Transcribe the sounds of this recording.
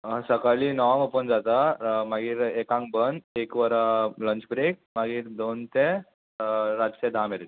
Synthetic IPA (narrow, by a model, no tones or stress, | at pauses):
səkaliːnəʋãŋopənd͡zat̪amaɡiːɾekãŋkbənd̪ekʋəɾləɲt͡ɕbɾek̚maɡiːɾd̪ont̪e | ɾad͡ʑked̪ʱãmeɾet̪